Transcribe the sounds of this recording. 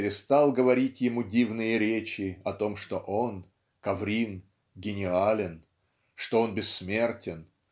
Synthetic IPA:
ɾʲɪst̪ɑlˠɡəvɐɾʲitʲjɪmudʲivnɨjəɾʲet͡ɕɪɐt̪o̞mʂt̪o̞ʔo̞n | kɐvɾʲin | ɡʲɪnʲɪalʲɪn | ʂt̪o̞o̞nbʲɪsːmʲe̞rtʲɪn

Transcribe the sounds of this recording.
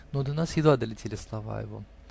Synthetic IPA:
nod̪ənasjɪd̪ad̪əlʲɪtʲʰelʲɪslˠɐva̰ɪ̰vo̰

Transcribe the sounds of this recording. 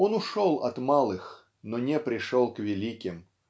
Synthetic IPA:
onʊʂolˠɐ̰t̪malˠɨx | nonʲɛpɾʲɪʂolˠkvʲɪlʲikʲɪm

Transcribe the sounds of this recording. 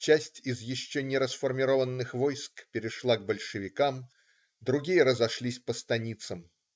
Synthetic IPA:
t͡ɕæsʲtʲɪzjɪɕːonʲɪɾəsfərmʲɪɾovənːɨxvojskpʲɪɾʲɪʂlˠaɡ̚bəlʲʂɨvʲɪkam | d̪ɾʊɡʲijəɾəzɐʂlʲisʲpəst̪ɐnʲit̪səm

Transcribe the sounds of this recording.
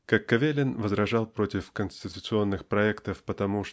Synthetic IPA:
kakːɐvʲelʲɪnvəzɾɐʐɑlˠpɾo̞tʲɪfkənsʲtʲɪt̪ʊt̪sɨo̞nːɨxpɾɐɛkt̪əfpət̪ɐmuʂ

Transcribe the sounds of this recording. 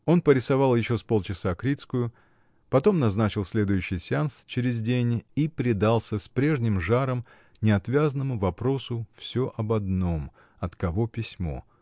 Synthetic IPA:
o̞npəɾʲɪsɐvɑlˠjɪɕːo̞spo̞lˠt͡ɕɪsakɾʲit̪skʊjʊ | pɐt̪o̞mnɐznat͡ɕɪlˠsʲlʲe̞d̪ʊjʉɕːɪjsʲɪanst͡ɕɪɾʲɪzʲdʲenʲipɾʲɪd̪alˠsʲəspɾʲe̞ʐnʲɪmʐaɾəm | nʲɪɐt̪vʲazənəmʊvɐpɾo̞sʊfsʲoʔɐbɐd̪no̞m | ɐt̪kɐvo̞pʲɪsʲmo̞̰

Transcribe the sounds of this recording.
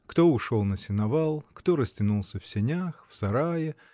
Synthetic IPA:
kt̪o̞ʊʂolˠnəsʲɪnɐvalˠkt̪o̞ɾəsʲtʲɪnulˠsʲəfsʲɪnʲaxfsɐɾajɪ

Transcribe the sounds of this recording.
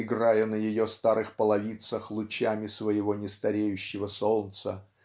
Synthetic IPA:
ɪɡrajənəjɪjost̪aɾɨxpəlˠɐvʲit̪səxlˠʊt͡ɕamʲɪsvəjɪvo̞nʲɪst̪ɐɾʲejʉɕːɪvəso̞lnt̪sə

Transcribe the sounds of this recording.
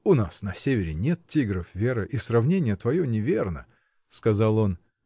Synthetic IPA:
ʊnasnɐsʲevʲɪɾʲɪnʲet̪̚tʲiɡɾəfvʲe̞ɾɨʔisrɐvnʲenʲɪjət̪vɐjonʲɪvʲernə̰ | skɐzalˠo̞n

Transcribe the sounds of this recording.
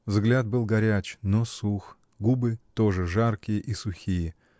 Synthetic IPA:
vzɡlʲat̪̚bɨlˠɡɐɾʲæt͡ɕnosux | ɡubɨt̪oʐɨʐarkʲɪjəʔisʊxʲijə

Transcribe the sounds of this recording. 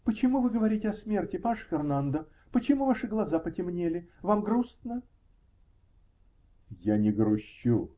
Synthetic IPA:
pət͡ɕɪmuvɨɡəvɐɾʲitʲɪɐsmʲe̞rtʲɪpaʂfʲɪrnand̪ə | pət͡ɕɪmuvaʂɨɡlˠɐzapətʲɪmnʲelʲɪvamɡɾust̪nə | janʲɪɡɾʊɕːu

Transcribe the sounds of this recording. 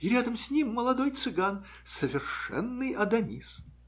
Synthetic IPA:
iɾʲad̪əmsʲnʲimːəlˠɐd̪o̞jt̪sɨɡan | səvʲɪrʂɛ̰nːɨjɐd̪ɐnʲḭs

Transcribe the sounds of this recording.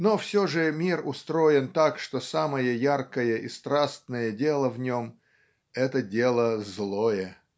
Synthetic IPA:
nofsʲoʐɨmʲirʊst̪ɾoɪnt̪akʂt̪osaməjəjarkəjəʔist̪ɾast̪nəjədʲelˠəvnʲom | ɛt̪ədʲelˠəzlˠojə

